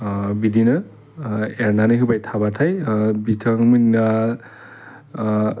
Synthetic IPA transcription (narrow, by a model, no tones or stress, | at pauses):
bidinɯ | ɛɹnanɯɦɯbajtʰabatʰajbitʰʌŋmɯna